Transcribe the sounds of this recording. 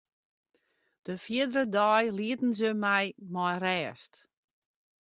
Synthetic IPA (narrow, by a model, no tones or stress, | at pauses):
d̥əfiədɾədɔjliətn̩zəmɛjmɔjrɛːst